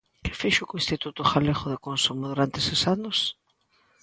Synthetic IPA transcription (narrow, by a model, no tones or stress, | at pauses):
kɪ̥fiʃʊkoest̪it̪ut̪ʊxaleɣoðekonsumʊðuɾant̪esesanʊs